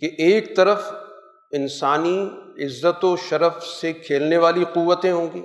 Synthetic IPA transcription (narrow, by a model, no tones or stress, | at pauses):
keʔeːk̚t̪ɐɾəf | ɪnsaːniɪzːət̪oʃɐɾəfsekʰeːlneʋaːliquʋːət̪ẽɦõːɡḭː